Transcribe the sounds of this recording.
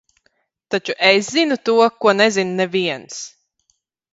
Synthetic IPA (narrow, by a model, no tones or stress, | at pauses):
t̪at͡ʃuʔeszinut̪uɔkuɔnɛzinnɛviɛns